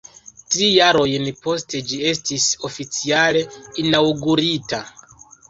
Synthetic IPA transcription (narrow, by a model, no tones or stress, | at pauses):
tɾijaɾo̞jnpo̞ste̞d͡ʒie̞stiso̞fit͡siale̞inawɡuɾita